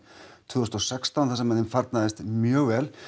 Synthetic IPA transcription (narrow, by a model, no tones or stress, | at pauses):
t̪ʰvʏːɔst̪ɔsɛkst̪awnθɛsamɛnːɪmfaɾt̪naðɪst̪mjœːɣvɛl